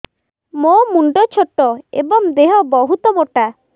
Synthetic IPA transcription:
momuɳɖɔt͡ʃʰɔʈːɔḛbɔŋd̪eɦɔbɔɦut̪ɔmoʈa

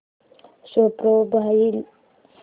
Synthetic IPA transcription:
ɕopɾobʱail

